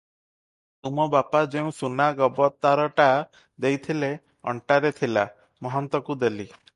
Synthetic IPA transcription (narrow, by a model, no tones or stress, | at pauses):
t̪umɔbapad͡ʒeũsunaɡɔbɔt̪ːaɾɔʈa | d̪ejt̪ʰile | ɔ̰ɳʈaɾet̪ʰila | mɔɦɔnt̪ɔkud̪eli